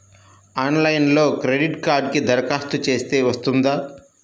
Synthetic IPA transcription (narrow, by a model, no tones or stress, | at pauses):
aːnlɐjnlo̞ːkɾeɖiʈkaːɾɖ̚kid̪ʱɐɾɐkaːst̪ut͡ʃe̞ːst̪e̞ːʋɐst̪und̪aː